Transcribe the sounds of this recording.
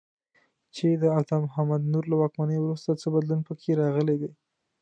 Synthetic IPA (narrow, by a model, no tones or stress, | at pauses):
t͡ʃed̪əat̪ɑmʊɦamad̪nuɾlawɑkmanəjwɾust̪at͡səbad̪lunpəkʰeɾɑɣəled̪e